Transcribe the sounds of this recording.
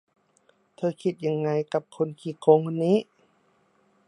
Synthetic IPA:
t̪ʰɤː˧˨kʰi˧t̪̚ja˧ŋːa˧˨jka˧˦p̚kʰo˧˨nkʰiː˧˩kʰo˧˦˨ŋhu˧nːiː˦˥˨

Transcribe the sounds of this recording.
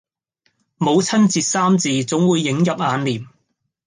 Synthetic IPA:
mo˨˧wt͡sʰɐ˥nt͡siː˨t̚saː˥mt͡siː˨˧t͡sʊ˨˥ŋwuː˨˧jːɪ˨˥ŋjɐ˨p̚aː˨˧nliː˨˩m

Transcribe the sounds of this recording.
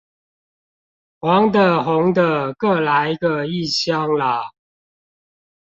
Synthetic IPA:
xwɑ˨˦ŋd̪ə˨ɦʊ˨˦ŋd̪ə˨kɤ˥˨la˨˦ɪɡə˧i˥˨ɕjɑ˥˦ŋla˨

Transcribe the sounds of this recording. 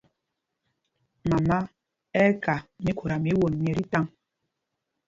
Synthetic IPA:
ma˨ma˦ | ɛ˦ka˨mi˨˦ko˨ɾa˨mi˨˦wo˨nmje˨ɾi˦ta˦ŋ

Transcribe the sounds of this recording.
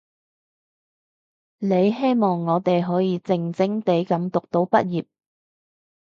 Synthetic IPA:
ne˨˧jɦe˥jmɔː˨ŋːɔː˨˧t̪e˨jɦɔː˨˥jiː˨˧t͡sɪ˧ŋt͡sɪ˥ŋt̪e˨˥jkɐ˨˥mt̪ʊ˨k̚t̪o˨˥wpɐ˥t̚jiː˨p̚

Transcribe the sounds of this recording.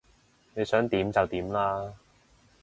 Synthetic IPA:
ne˨˧jsœː˨˥ŋt̪iː˨˥mt͡sɐ˨wt̪iː˨˥mlaː˥

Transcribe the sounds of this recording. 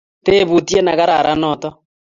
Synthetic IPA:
te˦βu˨tje˦na˨ɣa˦ɾa˨ɾa˦nɔ˨tɔ˦

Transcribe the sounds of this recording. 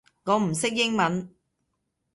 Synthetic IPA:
ŋɔː˨˧˥m̩˨˩sɪ˥k̚jɪ˥ŋmɐ˨˥n

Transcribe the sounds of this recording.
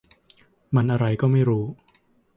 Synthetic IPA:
ma˧nʔa˧ɾa˧jkɔː˥˩ma˥˩jɾuː˦˥

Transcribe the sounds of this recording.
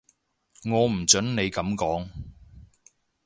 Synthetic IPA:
ŋɔː˨˧m̩˨˩t͡sɵ˨˥nne˨˧jkɐ˨˥mkɔː˨˥ŋ

